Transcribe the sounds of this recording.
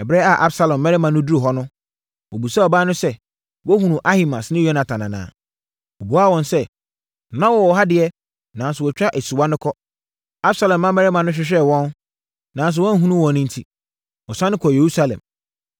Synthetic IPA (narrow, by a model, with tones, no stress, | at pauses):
ɛ˨bɾɛ˦a˨ʔa˦bsa˦lɔ̃˨mːɛ˦ɾɛ˦mã˨nʊ̃˦du˦ɾu˨ɦɔ˦nʊ̃˦ | wɔ˨bu˨sɛ˦ɔ˨baː˦nʊ̃˦sɛ˦ | wɔ˦hũ˨nũ˨ʔa˦hi˦ma˨snɪ̃˦jɔ˦nã˨tʰã˨nã̰˨nã̰ː˨ | o˨bu˨a˦˨wɔ̃˨n˨sɛ˦˨ | nã˦wɔ˦wɔ˨ɦa˦dɪ˨ɛ˦ | nã˨n˦sʊ˨wɔ˨t͡ɕᶣa˦ʔe˨su˨wa˦nʊ̃˦kʰɔ˦ | a˦bsa˦lɛ̃˨mːã˦mɛ˦ɾɛ˦mã˨nʊ̃˦ɕ̬ᶣɪ˦ɕ̬ᶣɛ˦˨wɔ̃˦n | nã˨n˦s̬ʊ˨wɔ̃˦n˦ɦũ˦nũ˦wɔ̃˨nɪ̃˦n̩˦tʰi˦ | wɔ˨sã˦nɪ̃˦kʰɔ˨je˨ɾu˦sa˦lɛ̰̃˨m